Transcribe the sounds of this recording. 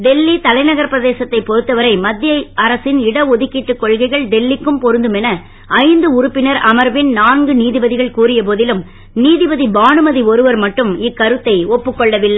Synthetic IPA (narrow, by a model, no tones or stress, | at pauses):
d̪ɛlːit̪ɐlɐɪnɐɣɐɾpɪɾɐðeːsɐt̪ːɐɪpɔɾɯt̪ːɐʋɐɾɐɪmɐd̪ːɪjɐɪɐɾɐsɪnɪɽɐɔðɪkːɪʈːɯkːɔɭɣɐɪɣɐɭd̪ɛlːɪkːɯmpɔɾɯnd̪ɯmɛnɐ | ʔɐɪnd̪ɯʊɾʊpːɪnɐɾɐmɐɾʋɪnnaːnɡɯniːðɪbɐðɪɣɐɭkuːrɪjɐp̬oːðɪlɯm | niːðɪbɐðibaːnɯmɐðiɔɾɯʋɐɾmɐʈːɯmɪkːɐɾɯt̪ːɐɪɔpːɯkːɔɭːɐʋɪlːɐ